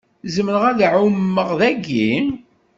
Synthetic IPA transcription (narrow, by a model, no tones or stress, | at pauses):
zəmnəʁæðʕumːəʁðæɡi